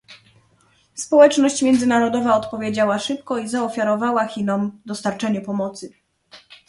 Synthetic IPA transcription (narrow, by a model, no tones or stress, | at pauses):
spɔwɛt͡ʂnɔɕt͡ɕmʲjɛnd̪zɘnaɾɔd̪ɔvaɔt̪pɔvʲjed͡ʑawaʂɘp̚kɔizaɔfʲjaɾɔvawaxʲinɔmd̪ɔst̪aɾt͡ʂɛɲɛpɔmɔt̪sɘ